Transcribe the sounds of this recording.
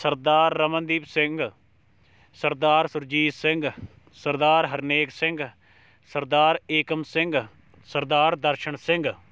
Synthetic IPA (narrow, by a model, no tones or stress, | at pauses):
səɾd̪aːɾːəmənd̪iːpsɪ̃ŋɡ | səɾd̪aːɾsʊɾd͡ʒiːssɪ̃ŋɡ | səɾd̪aːɾɦəɾneːksɪ̃ŋɡ | səɾd̪aːɾeːkəmsɪ̃ŋɡ | səɾd̪aːɾd̪əɾʃəɳsɪ̃ŋɡ